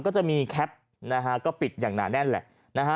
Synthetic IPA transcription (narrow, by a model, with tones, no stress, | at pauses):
kɔː˥˩t͡ɕa˨˩ʔmiː˧kʰɛ˦˥p̚ | na˦˥kʰa˦˥kɔː˥˩pi˨˩t̪̚jaː˨˩ŋna̰ː˨˩˦nɛ˥˩nlɛ̰˨˩ʔ | na˦˥kʰa˦˥